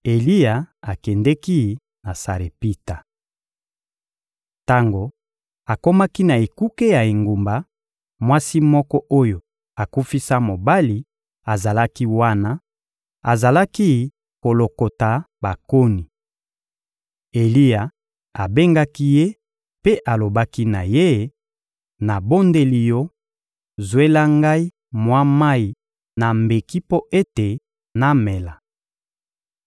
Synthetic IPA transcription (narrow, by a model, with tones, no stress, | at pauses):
e˨li˦ja˨a˨kɛ˨ndɛ˦ki˦ | na˨sa˨ɾe˨pi˦ta˨ | ta˦ŋɡo˨ | a˨ko˦ma˦ki˦na˨e˨ku˦ke˦ja˨e˨ŋɡu˨mba˨ | mwa˦si˦mɔ˦kɔ˦ʔo˦jo˨ | a˨ku˦fi˦sa˦mo˨ba˦li˨ | a˨za˨la˦ki˦wa˦na˦ | a˨za˨la˦ki˦ | ko˨lo˨ko˨ta˨ | ba˨ko˦ni˨ | e˨li˦a˨ | a˨be˦ŋɡa˦ki˦je˦ | pe˦ʔa˨lo˨ba˦ki˦na˨je˦ | na˨bo˦nde˨li˨jo˦ | zwe˦la˦ŋɡa˦i˦ | mwa˦ma˦i˨ | na˨mbe˨ki˦po˦ʔe˦te˨ | na˦me˨la˨